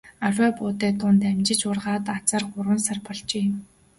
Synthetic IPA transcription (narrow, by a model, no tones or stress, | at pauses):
araːpʊːt̪eːt̪ʊnt̪æmt͡ɕɪ̆t͡ɕʊrʁaːt̪at͡saːrχʊɾwə̆nsarpɔɮt͡ɕeː